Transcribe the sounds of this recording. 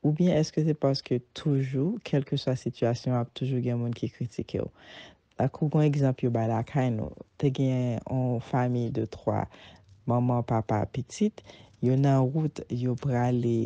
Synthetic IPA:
ubjɛ̃ʔɛskøs̬epasə̥køt̪ʰuʒukʰɛlkəswasityasjɔ̃ap̚t̪uʒuɡɛ̃mũnkʰikʁit̪ikʰḛo̰ | lakʰuɡɔ̃eɡzɑ̃pljobajlakʰajnṵt̪eɡɛ̃ɔ̃famijd̪ət̪ʁwa̰mãmɑ̃papa̰pitit̪jonãʁut̪jopʁale

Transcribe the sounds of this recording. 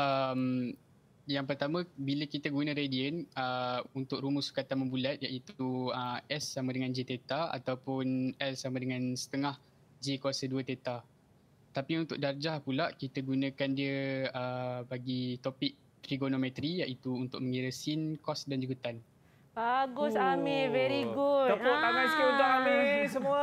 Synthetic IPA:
ʔəm | jaŋpərt̪amə̃biləkit̪əɡunə̃ɾediənəunt̪ʊk̚rumusu̥kat̪anməmbulat̪̚jaʔit̪uəʔɛsːamə̃dəŋãnd͡ʒet̪et̪aa̰t̪awpʊnɛlsamədəŋãnsə̥t̪əŋah | d͡ʒekuasəduət̪et̪a | t̪apiunt̪ʊk̚dard͡ʒahpulaʔkit̪əɡunə̃kandiəəbaɡit̪opɪk̚ | t̪ɾiɡonomɛt̪ɾijaʔit̪uːnt̪ʊk̚mə̃ŋiɾəsinkɔsdand͡ʒuɡut̪an | baɡʊsamivɛɾiɡuapopaɡajskedamisəmuə

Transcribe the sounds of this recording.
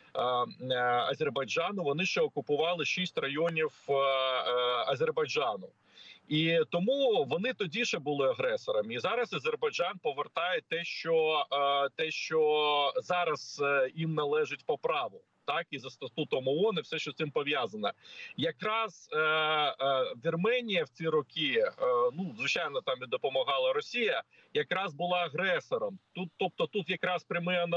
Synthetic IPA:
ɐzʲerbɐjd͡ʒɑnʊʋɔnɪʃt͡ʃɛɔkʊpʊʋɑlˠɪʃisʲtʲrɐjɔnʲiw | ɐzʲerbɐjd͡ʒɑnʊ | it̪ɔmuʋɔnɪt̪ɔdʲiʃɛbʊlˠɪɐɦɾɛsɔɾɐmizɑɾɐsɐzʲerbɐjd͡ʒɑnpɔʋert̪ɑjɛt̪ɛʃt͡ʃɔ | t̪ɛʃt͡ʃɔzɑɾɐz̥jimnɐlˠɛʒɪtʲpɔpɾɑʋʊ | t̪ɑkizɐst̪ɐt̪ut̪ɔmɔɔnɪwsɛʃt͡ʃɔsɪmpɔʋʲjɑzɐnɐjɐkɾɑz̥ | ʋʲirmɛnʲijɐwt͡sʲiɾɔkʲinuzʋɪt͡ʃajnɔt̪ɑmʋʲid̪ɔpɔmɐɦɑlˠɐɾɔsʲijɐ | jɐkɾɑzbʊlˠɑɐɦɾɛsɔɾɔmt̪ut̪ːɔp̚t̪ɔt̪ut̪jɐkɾɑspɾʲɐmɪɐn

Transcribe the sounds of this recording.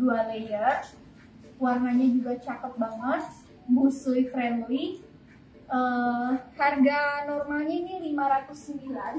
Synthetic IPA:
dualejaʔ | warnaɲad͡ʒuɡat͡ʃakəp̪̚baŋət̪̚ | busujfɾɛmli | ʔəharɡanɔrmalɲainilimaɾat̪ʊsːəmbilan

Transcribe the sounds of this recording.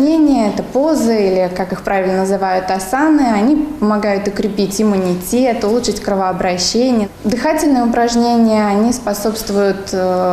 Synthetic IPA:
nʲenʲɪjəɛt̪əpo̞zəilʲɪkakɨxpɾavʲɪlʲnənəzɨvajʊt̪ɐsanɨɐnʲipəmɐɡajʊt̪ʊkɾʲɪpʲitʲɪmʊnʲɪtʲet̪ʊlˠuʂɨtʲkɾəvəɐbɾɐɕːenʲɪjəd̪ɨxatʲɪlʲnɨjəʊpɾɐʐnʲenʲɪjəɐnʲispɐso̞pst̪vʊjʊt̪

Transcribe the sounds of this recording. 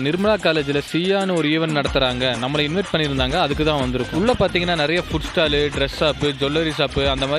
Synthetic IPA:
nɪɾɯmɐɭaːkaːleːd͡ʒɪlɐsiːjaːnɯɔɾɯiːʋɐnnɐɽɐt̪ːɯɾaːŋɡɐnɐmːɐlɐɪnʋɐʈ̚pɐɳːɪɾɯnd̪aːŋɡɐːðɯkːɯt̪ãːʋɐnd̪ɪɾɯkːʊ̃ʊɭːɐpaːɾt̪iːŋɡɐnːaːnɪɾɐjɐfʊʈsʈaːlɯɖɾɛsaːpɯd͡ʒɔlːɐɾis̬aːpɯɐnd̪ɐmaː

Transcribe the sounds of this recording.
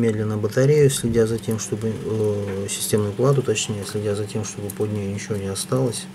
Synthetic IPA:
mʲe̞d̪lʲɪnːəbət̪ɐɾʲejʊsʲlʲɪdʲazɐtʲe̞mʂt̪o̞bɨ | sʲɪ̥sʲtʲe̞mnʊjʊplˠat̪ʊt̪ɐt͡ɕnʲejəsʲlʲɪdʲazɐtʲe̞mʂt̪o̞bɨpodʲnʲejʊnʲɪt͡ɕɪvonʲɪɐst̪alˠəsʲ

